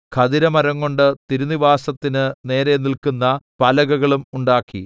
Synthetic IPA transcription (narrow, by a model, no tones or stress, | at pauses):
kʰɐðiɾɐmɐɾɐŋko̞ɳɖɨt̪iɾuniʋaːsɐt̪ːinɨne̞ːɾe̞nilkunːɐpɐlɐɣɐɣɐɭumuɳɖaːkːḭ